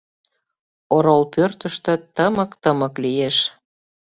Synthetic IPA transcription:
oɾolpørt̪əʃt̪ø̆t̪əməkt̪əməklijeʃ

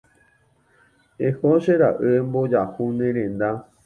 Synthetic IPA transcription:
ehoʃeɾa̰ʔɨembod͡ʒahũnẽɾẽnd̪a

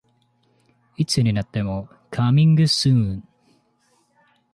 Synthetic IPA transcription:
it͡sɨɲinat̪ːe̞mo | kʰamĩŋɡɯsɯ̃n

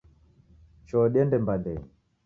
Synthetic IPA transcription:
t͡ʃɔɗɛndɛmbadɛɲ

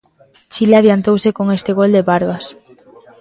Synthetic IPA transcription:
t͡ʃilaðjant̪owsɪkoŋest̪ɪɣold̪eβaɾɣas

